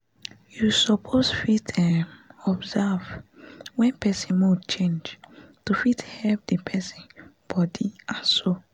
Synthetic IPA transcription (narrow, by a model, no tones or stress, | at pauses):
jusɔpʰosfitʰɛmɔbzɛvwɛ̃npʰɛsĩnmot͡ʃẽnd͡ʒtufithɛlp̚dipʰɛsĩnb̥ɔdiaso